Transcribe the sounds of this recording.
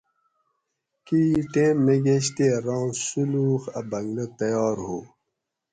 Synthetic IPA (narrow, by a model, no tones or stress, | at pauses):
kiʈẽːmːeɡeɕ̬t̪eːɾɑ̃ːsuluːxɐbɐŋɡlɐt̪ɐjɑːɾɦoː